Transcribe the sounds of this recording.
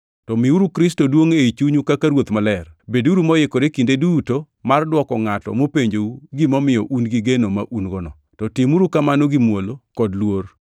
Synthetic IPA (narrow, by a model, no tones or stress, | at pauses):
tɔmɪuɾukɾɪstodwoŋeit͡ʃuɲukakaɾwot̪mɔlɛrbeduɾumɔjɪkoɾekindeduːto | mardwɔkɔŋatɔ̰mopeɲd͡ʒouɡimɔmɪjɔʔunɡiɡenomaʔunɡɔnɔ̰ | tɔtɪmuɾukamanoɡimwolokɔdlwor